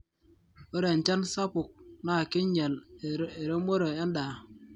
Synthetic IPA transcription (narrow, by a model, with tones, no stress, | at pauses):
o˦ɾe˨n̩˨t͡ʃa˦nsa˦pu˨k̚na˨ki˦ɲe˨le˨ɾe˦mo˦ɾe˨a˦n˦daː˨